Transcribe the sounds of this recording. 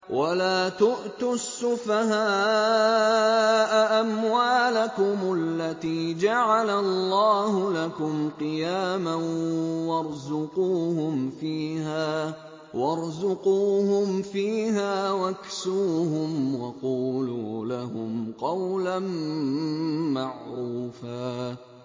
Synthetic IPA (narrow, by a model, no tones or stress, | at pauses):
wʔalaːt̪ʊʔt̪ʊsːʊfahaː | ʔaʔamwaːlakʊmalːat̪iːd͡ʒaʕalallˤːɑːhʊlakʊmqɨjaːmawɑɾˤzʊquːhʊmfiːhaː | wʔɑɾˤzʊquːhʊmfiːɦaːwaksuːhʊmwɑquːluːlahʊ̰mqɑwlan | maʕɾuːfaː